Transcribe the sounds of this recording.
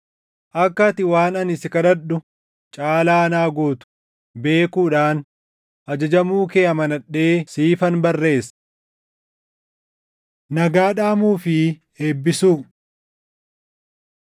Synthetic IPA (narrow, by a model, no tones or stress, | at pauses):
ʔɐkːɐt̪ɪwaːnɐnɪsɪkɐᶑɐɗʊ | t͡ʃʼaːlaːnaːɡoːt̪ʊ̥ | be̞ːkuːᶑaːn | ʔɐd͡ʒɐd͡ʒɐmuːkeːɐmɐnɐᶑe̞ːsiːfɐnbɐrːe̞ːs | nɐɡaːᶑaːmuːfɪ | eːbːɪsuː